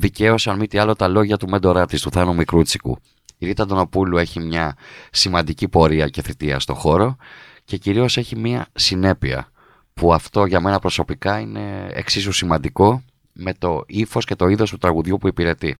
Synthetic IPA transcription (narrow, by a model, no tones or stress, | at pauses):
ðice̞o̞sɐnmit̪iɐlo̞t̪ɐlo̞ʝɐt̪ume̞nd̪o̞ɾɐt̪ist̪uθɐnumikɾut͡si̥kṵ | iɾit̪ɐd̪o̞no̞pulue̞çimɲɐsimɐnd̪icipo̞ɾiɐce̞θit̪iɐ̰st̪o̞xo̞ɾo̞ceciɾio̞se̞çimiɐsine̞piɐ̰ | puɐft̪o̞ʝɐme̞nɐpɾo̞so̞pikɐine̞̰ḛksizusimɐnd̪iko̞ | me̞t̪o̞ifo̞sce̞t̪o̞iðo̞st̪ut̪ɾɐɣuðʝupuipiɾe̞t̪i